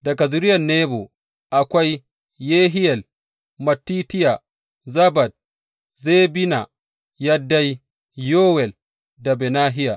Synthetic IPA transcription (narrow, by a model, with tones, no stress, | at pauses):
dɐ˨ɡa˨zʊ˦ɾɪ˦jɐ˨nːeː˦bo˨ | ʔa˨kʷa˦j | jeː˦ɦɪ˦jɛ˨l | mɐ˨tːiː˦tɪ˦ja˨ | zɐ˦bɐ˨d̚ | zeː˦bɪ˦na̰˨ | ja˦dːa˦j | joː˦wɛ˨l | da˨bɛ˨naː˦ɦɪ˦ja˨